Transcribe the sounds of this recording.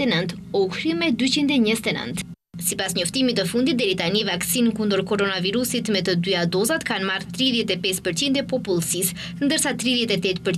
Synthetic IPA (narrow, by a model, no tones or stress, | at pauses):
ɛnənt̪ | ɔhɾimɛd̪yt͡ɕind̪ɛɲəzɛt̪ɛnə̰nt̪ | sipasɲɔft̪imit̪əfund̪it̪̚d̪ɛɾit̪anivaksinkund̪əɾkɔɾɔnaviɾusit̪mɛt̪əd̪yad̪ɔzat̪kanmaɾt̪ɾiðjɛt̪ɛpɛspəɾt͡ɕind̪ɛpɔpulˠsis | nd̪əɾsat̪ɾiðjɛt̪ɛt̪ɛt̪pəɾ